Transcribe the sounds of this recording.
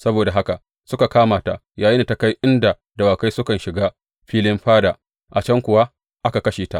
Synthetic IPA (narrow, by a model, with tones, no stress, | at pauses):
sɐ˦boː˨da˨ɦa˦ka˨ | sʊ˦ka˨kaː˦maː˨ta˨ | jaː˨jɪ˦niː˨ta˨˦ka˦jʔɪ˦nda˨ | da˨waː˨ka˦jsʊ˦kɐ˨nʃɪ˨ɡaː˦ | ɸiː˦lɪ˦mɸaː˦daː˨ | ʔa˨t͡ʃɐ˦ŋkʷʊ˨wa˦ | ʔa˦ka˨kɐ˦ʃeː˨ta̰˦ʔ